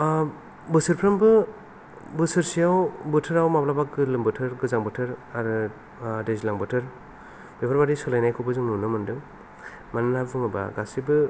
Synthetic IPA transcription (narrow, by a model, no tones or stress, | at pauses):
bɯsɯɾpʰɾambɯ | bɯsɯɾsijawbɯtʰɯɾawmaplabakɡɯlɯmbɯtʰɯɾɡɯzaŋbɯtʰɯɾaɾɯ | dezilaŋbɯtʰɯɾ | b̥epʰaɾbaɾisɔlajnajkʰɯbɯzɯŋnunɯmɯndɯŋ | mananabɯŋɯba̰ɡasibɯ